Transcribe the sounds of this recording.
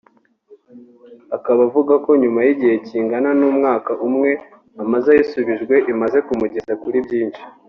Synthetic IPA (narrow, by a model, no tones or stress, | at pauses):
akaβavuɡako̞ɲumajiɟihe̞ciːŋɡananuːmŋaːkaʔumŋe̞ | amazajisuβiʒɡwe̞ʔimaze̞kumuɟe̞zakuɾibɟiːnʃi̥